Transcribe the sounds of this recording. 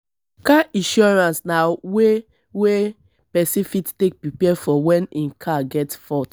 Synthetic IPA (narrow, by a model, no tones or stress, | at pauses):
kaĩʃɔɹãnsnawe | we | pɛsifittek̚pɹipɛfɔwɛ̃nĩkʰaɡɛtsfɔt